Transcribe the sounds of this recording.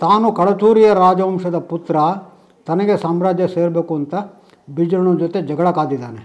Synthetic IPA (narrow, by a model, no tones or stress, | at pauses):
t̪aːnukɐɭɐt͡ʃuːɾijɐɾaːd͡ʒɐʋɐmʂɐd̪ɐput̪ɾɐ | t̪ɐnɐɡe̞saːmɾaːd͡ʒjɐse̞ːɾɐbeːkuɐnt̪ɐ | bid͡ʒɾɐɳud͡ʒot̪e̞d͡ʒɐɡɐɭɐkaːd̪id̪aːne